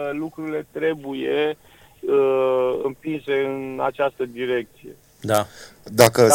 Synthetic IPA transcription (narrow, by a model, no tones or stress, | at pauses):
lukɾuɾile̞t̪ɾe̞buje̞ | əɨmpinse̞ɨna̰t͡ʃast̪əd̪iɾe̞k̚t̪sije̞̰ | d̪ad̪akə